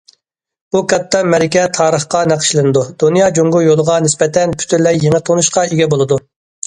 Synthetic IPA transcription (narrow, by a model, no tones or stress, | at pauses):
b̥ukɑt̪ːɑmɛɾɪkʲɛt̪ʰɑːɾəχqɑnæqʰə̥ʃlˠɨnɨd̪ud̪̥unijɑd͡ʒoŋɡujolˠəʁɑnɪspɛt̪ʰɛnpʰy̥t̪ʰyɾlɛjjeŋɨt̪ʰonuʃqɑeɡʲɛbolˠɨd̪u